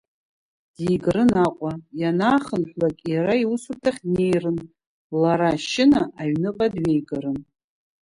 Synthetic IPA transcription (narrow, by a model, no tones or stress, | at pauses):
d̥ijɡɾɨnaqʷʼajanaːχənħʷlakʲʼjaɾaiwusurtʰaχʲne̞jrɨn | laɾaʃɪnaʔaɥnɨqʼadɥejɡaɾɨn